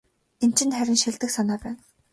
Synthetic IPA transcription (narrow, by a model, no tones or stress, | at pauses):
en̥t͡ɕʰɪ̆nt̪χæɾʲɪ̆nʃiɮt̪ɘ̆ksanaːpæːn